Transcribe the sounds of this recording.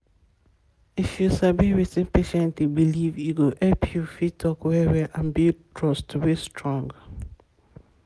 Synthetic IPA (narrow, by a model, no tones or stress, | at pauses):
ifjusabiwitɪ̃npeʃɛ̃ntibiliviɡoʔɛpʰjufitʰɔkwɛwɛʔãnbitʰɹɔstwestʰɹɔ̃ŋɡ